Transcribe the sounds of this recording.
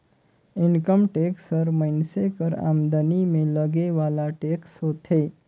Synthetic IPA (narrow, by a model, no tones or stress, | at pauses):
ɪnkəmʈeːksəɾməɪnsekəɾa̰ːmd̪ənimẽləɡeʋaːlaʈeksot̪ʰe